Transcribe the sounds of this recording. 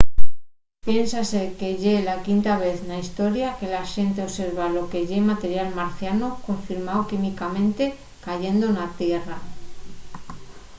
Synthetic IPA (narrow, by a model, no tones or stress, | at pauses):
pje̞nsase̞ke̞ʎe̞lakint̪aβ̞e̞θnaist̪o̞ɾjake̞laʃe̞nt̪e̞ose̞ɾβalo̞ke̞ʝe̞mat̪e̞ɾjalmaɾθjanoko̞ɱfiɾmaokimikamẽ̞nt̪e̞ | kaʝe̞nd̪onat̪je̞ra